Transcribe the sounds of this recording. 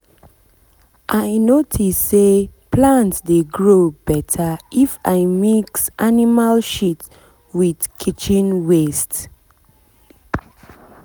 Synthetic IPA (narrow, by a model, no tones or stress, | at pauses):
ʔajnotʰisːeplãntsdeɡɹobɛtʰaifaɪmiksʔanimalʃit | widkʰit͡ʃĩnwest